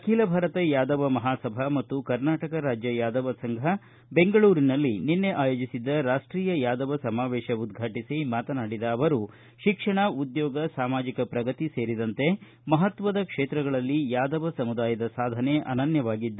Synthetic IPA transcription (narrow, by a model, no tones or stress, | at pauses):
ɐkʰiːlɐbʱaːɾɐt̪ɐjaːd̪ɐʋɐmɐɦaːsɐbʱɐmɐt̪ːukɐɾnaːʈɐkɐɾaːd͡ʒjɐjaːd̪ɐʋɐsɐŋɡʱɐ | be̞ŋɡɐɭuːɾinɐlːininːe̞ʔaːjoːd͡ʒisid̪ːɐɾaːʂʈɾiːjɐjaːd̪ɐʋɐsɐmaːʋɛːʃɐud̪ɡʱaːʈisimaːt̪ɐnaːɽid̪ɐːʋɐɾu | ʃikʂɐɳɐud̪jɔːɡɐsaːmaːd͡ʒikɐpɾɐɡɐt̪ise̞ːɾid̪ɐnt̪e̞ | mɐɦɐt̪ʋɐd̪ɐkʂeːt̪ɾɐɡɐɭɐlːijaːd̪ɐʋɐsɐmud̪aːjɐd̪ɐsaːd̪ʱɐne̞ʔɐ̰nɐnjɐʋaːɡid̪ːɐ